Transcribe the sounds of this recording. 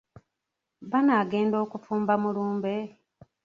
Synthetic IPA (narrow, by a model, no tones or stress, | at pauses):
βanaːɡe̞ːndo̞ːkufuːmbamuluːmbe̞